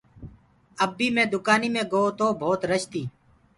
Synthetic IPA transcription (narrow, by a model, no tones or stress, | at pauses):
əbːiːmẽːd̪ʊkaːniːmẽːɡoːt̪oːbʱoːt̪ɾəʃt̪iː